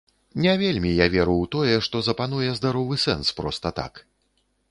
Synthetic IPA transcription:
nʲɛvʲelʲmʲijavʲɛɾuwt̪ɔjɛʂt̪ɔzɐpanujɛzd̪aɾɔvɨsɛnspɾɔst̪ɐt̪a̰k

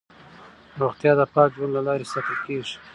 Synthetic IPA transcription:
ɾoɣt̪jɑːd̪əpɑːk̚d͡ʒwanlalɑɾesɑt̪əkeʒi̥

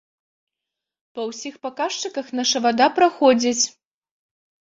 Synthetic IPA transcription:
pɐwsʲixpakaʂt͡ʂɨkɐxnɐʂɐvad̪apɾaxɔd͡zʲit͡sʲ

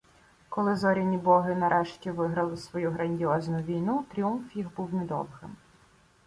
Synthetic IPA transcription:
kɔlˠɪzɔɾʲinʲibɔɦɪnɐɾʔɛʃtʲiʋɪɦɾɐlˠɪsʋɔjuɦɾɐnʲdʲiɔznʊʋʲijnut̪ɾʲiumfjixbuwmʲid̪ɔ̰wɦɪ̰m

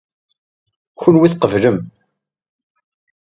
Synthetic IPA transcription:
çʊnwiθqəvləm

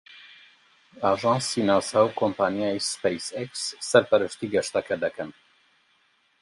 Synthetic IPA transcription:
aʒɑ̃ːnsinaːshawkʰompaːnijaispejsɛksːɛɾpɛɾɨʃt̪iːɡɛʃt̪ɛkɛd̪ɛkɨn

